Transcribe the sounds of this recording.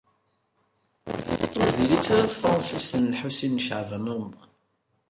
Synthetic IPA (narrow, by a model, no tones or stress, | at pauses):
ʊɾðilit͡sːaɾaθfɾˤɑnsist̪ənlħusinːʃəʕvæmʊm